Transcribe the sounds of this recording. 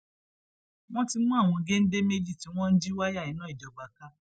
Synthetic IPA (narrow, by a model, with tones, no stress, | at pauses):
w̃ɔ̃˦ti˧mũ˦a˦˨w̃ɔ̃˧ɡe˦n̩˦de˦me˦d͡ʒi˦˨ti˨˦w̃ɔ̃˦n̩˦d͡ʒi˦wa˦ja˦˨ĩ˨˦nã˨˦i˦˨dɔ˨ɡ͡ba˨ka˦